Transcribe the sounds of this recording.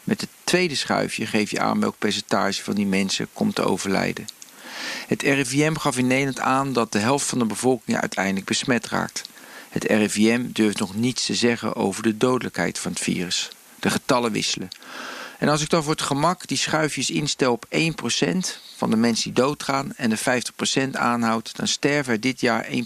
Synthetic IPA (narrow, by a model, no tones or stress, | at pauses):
mɛtɦətʋejdəsχœ̰ɥfjəχejfjə̰ʔa̰ːnmbɛ̰lk̚pɛɹs̬əntaːʒəvɑndimɛnsə̰kɔmtəo̰wvəɹlɛ̰jdə | ɦətʰɛrviɛmχɑfɪnejdəntaːndɑt̚dəɦɛlˠftfɑndəbəvɔlˠkɪŋəœ̰ɥtʰɛjdələɡ̚bəsmɛtra̰ːk̚thətɛ̰rɛviɛmdøɹftnɔχnitstəzɛχə̰ʔo̰wvəɹdədowdələkɦɛ̰jtfɑnɦətfḭːrəs | d̥əχətɑləʋɪ̰sələ | ɛnɑlˠsɪk̚dɑnvʊːɹətχəmɑkd̥isχœɥfjəsɪnstɛlˠɔpejnprowsɛ̰ntfɑ̰ndəmɛnsədidowtχaːnɛndəfɛjftəχprowsɛnta̰ːnɦɑwtdɑ̰nstɛɹvəɛɹdɪtjaːɹḛjn